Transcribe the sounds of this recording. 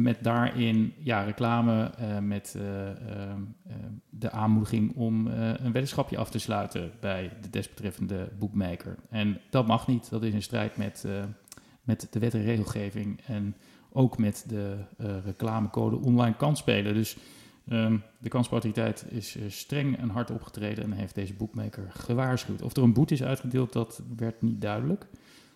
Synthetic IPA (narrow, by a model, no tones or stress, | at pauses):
mɛt̚daːɹʔɪnjarəklaːməmɛt | dəʔaːnmudəχɪŋɔmənʋetəsχɑpjə̰ʔɑ̰ftəslœɥtəbɛjdədɛsbətrɛfəndəbukmejkə̰ɹɛnd̥ɑt̚mɑχnitdɑtɪsənstrɛ̰jtmɛt | mɛtd̥əʋɛtəreːχəlˠχejvɪŋɛn | owkmɛtdərəklaːməkowdə̰ʔɔnlɑjnkɑnspejlədɵs | dəkɑnspowtoritɛ̰jtɪ̰sstrɛŋɛ̰nɦɑɹtɔ̰pχə̥trejdəɛ̰nɦejfdejzəbukmejkəɹχəʋaːɹsχywtɔ̰fdəɹənbutɪsœ̰ɥtχədɪːlˠt̚dɑtʋɛɹtnit̚dœɥdələk